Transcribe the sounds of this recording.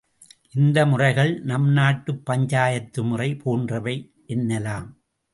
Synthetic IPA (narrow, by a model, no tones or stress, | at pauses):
ʔɪnd̪ɐmʊrɐɪɣɐɭnɐmnaːʈːɯpːɐɲd͡ʒaːjɐt̪ːɯmʊrɐɪpʰoːndrɐʋɐɪ | ʔɛnːɐlaːm